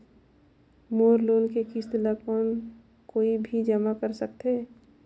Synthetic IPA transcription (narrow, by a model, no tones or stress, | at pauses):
moːɾloːnkekist̪lakɔːn | koːibʱid͡ʒəmakəɾsək̚t̪eː